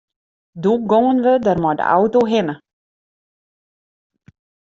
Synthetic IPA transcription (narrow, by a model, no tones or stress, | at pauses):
duɡoŋənʋədərmɔdə̰ʔa̰wtoɦɪnə